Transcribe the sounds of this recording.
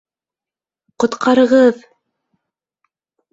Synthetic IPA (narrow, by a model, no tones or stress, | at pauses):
qŏt̪qʰɑɾɤ̆ʁɤð